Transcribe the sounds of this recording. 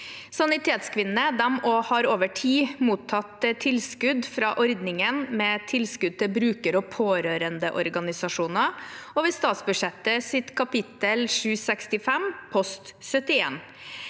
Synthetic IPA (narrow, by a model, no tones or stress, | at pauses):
sɑnɪt̪ʰeːt̪skʰʋɪnəd̪ɛmoːhɑɾoːʋəʈʰiːmuːt̪ʰːɑt̪ət̪ʰɪlskʉd̪fɾɑːʔɔɾd̪nɪŋənmɛːt̪ʰɪlskʉd̪̚t̪ʰɛbɾʉːkəɾɔpʰoːɾøːɾənd̪əʔɔɾɡɑnɪsɑʂuːnɑɔʋɛːst̪ɑːt̪sbʉʂɛt̪ːəsɪt̪kʰɑpɪt̪əlʂʉːsɛkst̪ɪfɛmpʰɔst̪sœt̪ɪḛːn